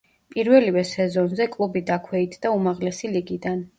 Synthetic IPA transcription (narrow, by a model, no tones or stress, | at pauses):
pʼiɾvɛlivɛsɛzɔnzɛkʼlˠubid̪akʰwɛit̪ʰd̪aumaʁlɛsiliɡid̪an